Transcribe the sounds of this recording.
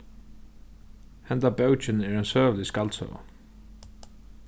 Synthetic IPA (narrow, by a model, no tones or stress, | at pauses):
hɛnt̪abɛwt͡ʃɪnæɾɛnsœːvlɪskalt̪sœ̰ːva̰